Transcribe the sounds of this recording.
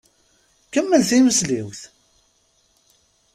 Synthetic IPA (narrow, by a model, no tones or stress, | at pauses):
kəmːəlθiməsliwθ